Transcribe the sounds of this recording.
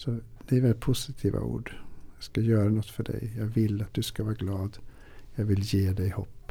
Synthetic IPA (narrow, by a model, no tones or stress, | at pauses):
sɔd̪̥ɛɛɾʋɛlpʰʊsɪt̪ʰiːʋɑ̰ʔṵːɖjæskɑjøːɾənɔt̪ːfɔɖæ̰ɪjæɪʋɪlːɑt̪̚d̪ʉskɑʋæːɾəɡlɑːd̪ | jæɪʋɪljeːd̪æɪho̰ːpː